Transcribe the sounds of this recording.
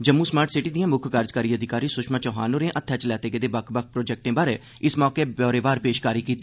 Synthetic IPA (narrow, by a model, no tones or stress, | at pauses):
d͡ʒəmːũːsmaːɾʈʰsɪʈiːd̪ɪjãːmʊkʰkaːɾd͡ʒkaːɾiːəd̪ʱɪkaːɾiːsʊkʃmãːt͡ʃɔːɦa̰ːnõːɾẽːʔət̪ʰːɛːt͡ʃlɛːt̪eːɡed̪eːbəkʰbək̚ʰpɾoːd͡ʒɛk̚ʈẽːbaːɾeː | ɪsmɔːkeːbɔːɾeːʋaːɾpeːʃkaːɾiːkiːt̪ː